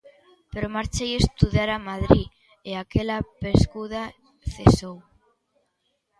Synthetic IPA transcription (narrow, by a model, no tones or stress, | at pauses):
peɾomaɾt͡ʃejest̪uðaɾamaðɾi | eakelapeskuð̞a | θesow